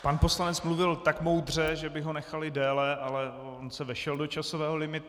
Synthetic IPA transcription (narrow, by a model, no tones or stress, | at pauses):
panpo̞slanɛt͡smluvɪlt̪akmo̞wd̪r̝ɛʒɛbɪɦo̞nɛxalɪdɛːlɛʔalɛ | onsɛvɛʃɛldot͡ʃasovɛːɦo̞lɪmɪt̪